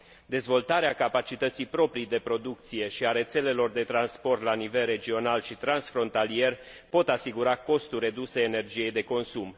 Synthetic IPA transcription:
d̪e̞zvo̞lt̪aɾeakapat͡ʃit̪ət̪sijpɾo̞pɾijd̪e̞pɾo̞d̪uk̚t̪sije̞ʃiaɾe̞t̪se̞le̞lo̞rd̪e̞t̪ɾanspo̞rt̪lanivelre̞d͡ʒio̞nalʃit̪ɾansfɾo̞nt̪alie̞r | po̞t̪asiɡuɾako̞st̪ure̞d̪useːne̞rd͡ʒije̞jd̪e̞ko̞nsum

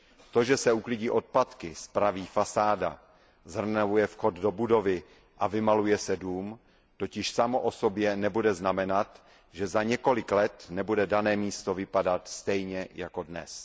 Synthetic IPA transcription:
t̪o̞ʒɛsɛuklɪɟiːʔo̞t̪̚pat̪kɪspɾaviːfasaːda̰ | zr̩navujɛfxo̞d̪do̞budo̞vɪ | ʔavɪmalujɛsɛduːm | t̪o̞cɪʃsamoʔo̞sobjɛnɛbudɛznamɛnat̪ | ʒɛzaɲɛko̞lɪklɛt̪nɛbudɛdanɛːmiːst̪o̞vɪpadat̪st̪ɛjɲɛjako̞dnɛ̰s

